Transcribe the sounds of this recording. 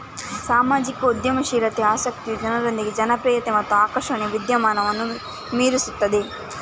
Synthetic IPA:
saːmaːd͡ʒikɐud̪jɐmɐʃiːɾɐt̪eaːsɐk̚t̪ijud͡ʒɐnɐɾond̪iɡed͡ʒɐnɐpɾiːjɐt̪emɐt̪ːuaːkɐʂɐɳeʋid̪jɐmaːnɐʋɐnːu | miːɾisut̪ːɐd̪e

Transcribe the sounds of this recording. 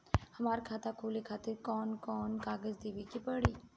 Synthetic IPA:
hɐmaːɾkʰaːt̪akʰoːlekʰaːt̪ɪɾkɔːnkɔːnkaːɡəzd̪eːʋikipəɽiː

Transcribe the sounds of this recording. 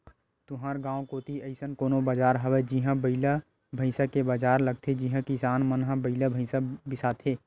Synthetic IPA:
t̪ʊɦaːɾɡãːõkoːt̪iəɪsənkoːnobaːd͡ʒaːɾɦəwed͡ʒiɦãbəɪla | bʱəɪsakebaːd͡ʒaːɾləɡ̚t̪ʰed͡ʒiɦãkɪsaːnmənɦə̃bəɪlabʱəɪsabɪsaːt̪ʰeː

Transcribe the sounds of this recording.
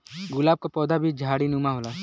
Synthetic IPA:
ɡʊlaːb̚kapɔːd̪abʱid͡ʒʱaːɽinumaɦolaː

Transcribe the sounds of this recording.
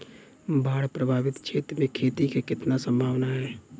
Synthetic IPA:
baːɽpɾəbʱaːbɪt̪t͡ʃʰet̪mẽkʰeːt̪ikekɪt̪nasə̃mbʱaːʋnaɦɛ

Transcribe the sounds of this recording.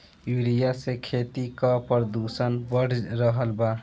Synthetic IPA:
juɾijasekʰet̪ikəpɾəd̪usənbəɽ̤ɾəɦəlba

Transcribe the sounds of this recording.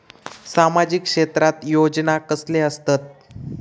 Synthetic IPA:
samad͡ʑikʂet̪ɾat̪jod͡ʑnakəsleəst̪at̪̚

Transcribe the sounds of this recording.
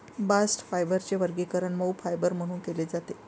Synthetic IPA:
basʈfajbəɾt͡ɕeʋəɾɡikəɾəɳməwfajbəɾm̤əɽ̃uːnkeled͡zat̪e

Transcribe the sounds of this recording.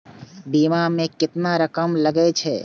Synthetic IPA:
bimamẽkɪt̪naɾəkəmləɡɛt͡ʃʰɛ̰

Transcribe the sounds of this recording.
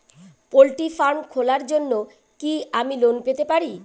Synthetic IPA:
polʈifaɾmkʰolaɾd͡ʑonːo | kiamilonpet̪epaɾi

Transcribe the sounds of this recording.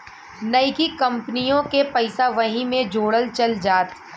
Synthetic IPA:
nɐɪkikɐ̃mpnijõkepɐɪsaʋɐɦĩmẽd͡ʒoːɽəlt͡ʃɐld͡ʒaːt̪

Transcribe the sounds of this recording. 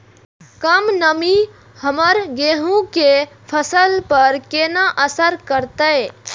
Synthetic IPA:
kəmnəmi | həməɾɡeːɦũkepʰəsəlpəɾkeːnãʔəsəɾkəɾt̪ee

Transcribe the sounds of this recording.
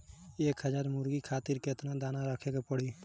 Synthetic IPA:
eːkɦəd͡ʒaːɾmʊɾɡiːkʰaːt̪ɪɾket̪nãd̪aːnãːɾəkʰeːkepəɽiː

